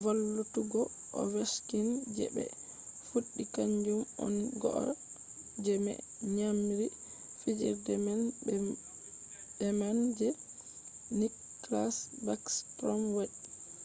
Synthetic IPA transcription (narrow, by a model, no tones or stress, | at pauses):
valːutuɡɔ | ʔɔ̰weskind͡ʒɛ̰bɛ̰ | fuɗːikaɲd͡ʒumɔ̰nɡɔ̰ʔɔ̰ | d͡ʒɛmɛ̰ɲamiɾi | fid͡ʒɛɾdɛman | dɛmand͡ʒɛ | nikː | lasbakstɾɔmwad͡ʒ